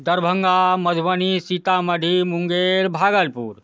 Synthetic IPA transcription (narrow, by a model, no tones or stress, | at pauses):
d̪ɐɾbʱəŋɡamɐd̪ʱʋənisit̪amɐɖʱimuŋɡeɾbʱaːɡəlpṵːɾ